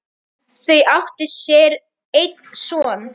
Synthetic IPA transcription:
θejawht̪ɪsjɛːɾ | ejt̪̚n̥sɔːn

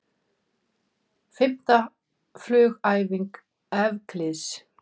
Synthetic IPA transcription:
fɪm̥t̪a | flœːɣaːjviŋk | ɛvkʰlɪs

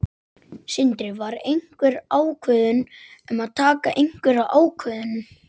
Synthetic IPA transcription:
sɪnt̪ɾɪvaɾejŋkvʏɾaːwkʰvœːðʏnʏmaðt̪ʰaːkaʔejŋkʏɾaʔaːwkʰvœːðʏnʏm

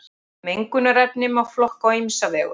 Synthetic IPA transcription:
mejŋkʏnaɾɛpnɪmaɣflɔhkawimsavɛːɣʏ

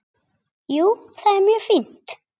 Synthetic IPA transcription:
ju | θæmyfint̪

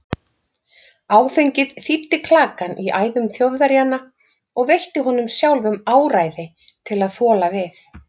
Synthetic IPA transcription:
aːwθejɲcɪðθit̪ːɪkʰlaːkanʔiʔaːjðʏmθjowðaɾjanːa | ɔɣvejht̪ɪɦɔnʏmsjawlvʏmaːwɾaːjðɪ | t̪ʰɪlaðθɔːlavɪθ

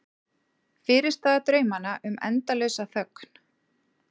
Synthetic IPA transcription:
fɪːɾɪɾ̥st̪aːðat̪ɾœːɥmanaʔʏmɛ̰nt̪alœɥsaθœkn̥

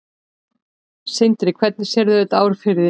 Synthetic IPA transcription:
sɪnt̪ɪɾɪkʰv̥ɛt̪̚nɪ̥sjɛɾðʏɛt̪aːwɾ̥fɪɾðɪ

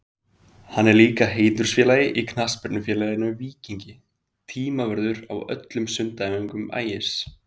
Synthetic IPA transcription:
hanːɛɾliːkaɦeːjt̪ʏɾ̥sfjɛːlajɪʔikʰnaspɛɾt̪nʏfjɛːlajɪnːʏviːciɲcɪ | t̪ʰiːmavɛɾðʏɾa̰wœ̰t̪lʏmsʏnt̪aɛmiŋkʏma̰ːjɪ̥s

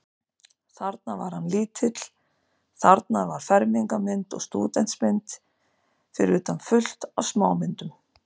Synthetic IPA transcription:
θaɾt̪̚navaɾ̥hanliːt̪ʰɪt̪l̥ | θaɾt̪navaɾ̥fɛɾmiŋkamɪnt̪ɔ̰ɣst̪uːt̪ɛn̥t̪smɪnt̪ | fɪɾʏːt̪anfʏl̥t̪awsmaːwmɪnt̪ʏm

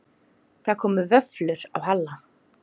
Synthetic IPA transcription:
θaðkʰɔːmʏvœflʏɾa̰wɦalːa

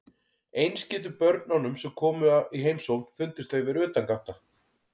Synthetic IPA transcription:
ejnscɪːt̪̬ʏpœɾt̪nanːʏmsɛmkʰɔːmʏaiɦejmsownfʏnt̪ɪst̪evɪɾʏːt̪aŋkaht̪a

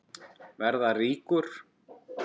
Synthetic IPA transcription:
vɛɾðariːkʏɾ̥

